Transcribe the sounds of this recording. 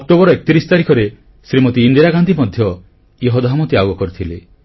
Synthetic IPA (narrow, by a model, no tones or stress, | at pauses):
ɔk̚ʈobɔɾɔekɔ̥t̪iɾisɔ̥t̪aɾikʰɔɾe | sɾimɔt̪iːnd̪ijɾaɡand̪ʱimɔd̪ʱjɔ | jeɦod̪aɦamɔt̪iaɡɔkɔɾit̪ʰile